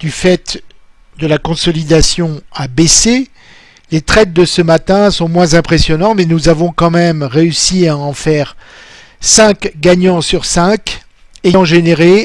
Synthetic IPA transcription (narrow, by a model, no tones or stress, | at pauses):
d̪̥yfɛt̪ | d̪əlakɔ̃sɔlid̪asjɔ̃abese | let̪χɛt̪̚d̪əsəmat̪ɛ̃sɔ̃mwɛ̃zɛ̃pχesjɔnɑ̃mɛnuzavɔ̃kɑ̃mɛmʁeysiaɑ̃fɛːʁ | sɛ̃kɡaɲɑ̃syʁsɛ̃k | eɑ̃ʒeneʁe